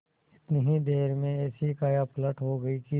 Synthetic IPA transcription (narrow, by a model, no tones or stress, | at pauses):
ɪt̪nəɦid̪eːɾmẽɛːsikaːjapləʈɦoɡɐiki